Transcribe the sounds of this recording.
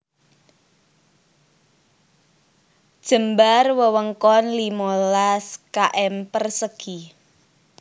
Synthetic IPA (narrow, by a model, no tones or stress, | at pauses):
d̥ʒ̥ə̤mbarwəwəŋkɔnlimolaskaʔɛmpərsəɡ̥i